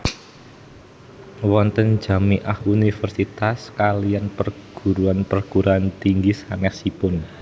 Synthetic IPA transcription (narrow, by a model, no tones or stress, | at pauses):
wɔnt̪ən̥d͡ʒa̤miʔahunifərsit̪askalijanpərɡ̥ṳɾuanpərɡ̥uɾaant̪iŋɡisanɛsipʊn